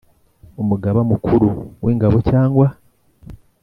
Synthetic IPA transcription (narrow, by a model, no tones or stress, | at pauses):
omuɡaβamukʰuɾuwʔeːŋɡaβocaːŋɡwa